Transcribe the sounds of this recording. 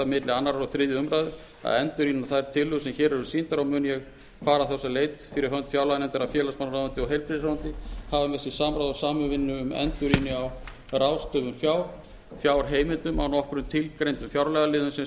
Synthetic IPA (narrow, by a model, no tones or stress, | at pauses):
amɪt̪lɪanːaɾaɾɔθɾɪːðɪʏmɾaðʏ | a̰ðɛnt̪ʏɾiːnaθajɾt̪ʰɪlːʏɣsɛmçɛːɾɛɾʏsiːnt̪aɾɔmʏːnjɛɣ | faːɾaθɛsːaleːjt̪fɪɾɪɾɦœnt̪fjaːwlaɪnɛnt̪ɪɾawfjɛːlasmanɾaːwant̪ɪɔɦejlpɾiðsawnt̪ɪhavamɛst̪isaːmɾajðawsaːmʏvɪnːʏʏmɛ̰nt̪ʏɾinɪaw | rawst̪œːvʏmfjaːwɾ̥ | fjawɾ̥ɦeːjmɪnt̪ʏmawnɔhkɾʏmt̪ʰɪlkɾejnt̪ʏmfjawɾlɛːɣalɪːðʏmsɛ